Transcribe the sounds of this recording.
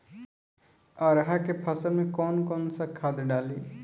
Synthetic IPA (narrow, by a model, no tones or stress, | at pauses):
aːɾɦakepʰɐsəlmẽkɔːnkɔːnsakʰaːd̪ɖaːleː